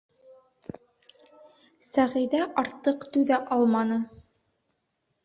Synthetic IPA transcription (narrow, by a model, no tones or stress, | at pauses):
sæʁɘ̆jðæʔɑɾt̪ːɤqt̪ʉðæʔɑlˠmɑnɤ